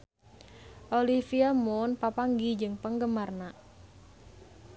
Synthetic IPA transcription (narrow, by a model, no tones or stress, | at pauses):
ʔolifiamʊnpapaŋɡid͡ʒɨŋpəŋɡəmarna